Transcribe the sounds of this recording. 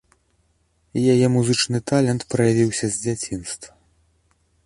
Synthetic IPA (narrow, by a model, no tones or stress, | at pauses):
ijajɛmuzɨt͡ʂnɨt̪alʲɛnt̪pɾɐjavʲiwsʲɐzʲd͡zʲat͡sʲinst̪vɐ